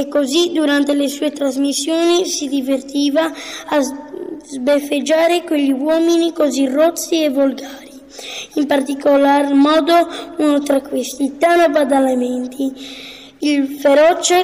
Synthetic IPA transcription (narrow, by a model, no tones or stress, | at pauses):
ekːozid̪uɾant̪elesuːet̪ɾazmisːjoːnisid̪ivert̪iːvaː | zbefed͡ʒːaːɾekweʎːiwɔːminikozirot̪sːiɛvolɡaːɾi | impart̪ikolarmɔːd̪ounot̪ɾakːwest̪it̪anobad̪alamɛnt̪ʰi | ilfeɾɔt͡ʃe